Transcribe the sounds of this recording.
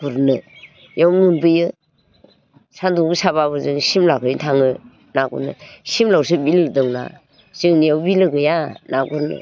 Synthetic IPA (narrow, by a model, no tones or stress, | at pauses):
kuɾnɯ | jawmɯnbɯjɯ | sanduɡɯsaβaβɯzɯŋsimlakʰɯjtʰaŋɯ | naɡṵnɯ̰simlawsɯbildɔŋna̰ | z̥ɯŋnijawbilɯɡɯjanaɡuɾnɯ̰